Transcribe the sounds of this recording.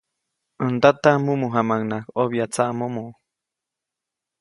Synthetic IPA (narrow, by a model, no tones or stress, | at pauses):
ənd̪at̪amumuɦamaŋnakoβjat͡saʔmomo